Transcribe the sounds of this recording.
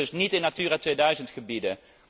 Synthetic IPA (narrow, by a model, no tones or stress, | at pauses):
ɵsnitɪnatyːratʋejdœɥzəntχəbidə